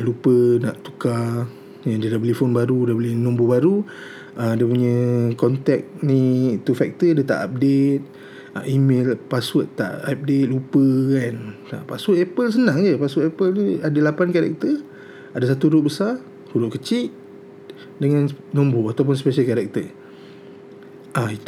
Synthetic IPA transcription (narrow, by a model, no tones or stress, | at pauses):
lupəna̰ʔt̪u̥ka | jadiədabəlifonbaɾudabəlihnɔ̃mbobaɾu | əmdiəp̬uɲə̃kɔnt̪ɛk̚nit̪ufɛk̚t̪ədət̪a̰ʔap̚det̪̚ | a̰ʔimelpaswəʔ̪a̰ʔap̚det̪̚lupəkant̪a̰ʔpaswʊʔ̪ɛpəls̬ənãŋd͡ʒəpasʊʔ̪ɛpəliadəlapankaɾɛ̰k̚t̪ə | adas̬at̪uɾʊʔ̚bəsa | huɾʊʔ̚kət͡ʃiʔ̪ | dəŋannɔ̃mboat̪awp̬ʊns̬peʃalkaɾɛk̚t̪ə | ʔai